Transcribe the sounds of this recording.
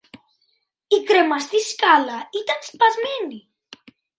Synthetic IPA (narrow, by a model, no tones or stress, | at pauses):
ikɾemazd̪iskalait̪anspazmɛni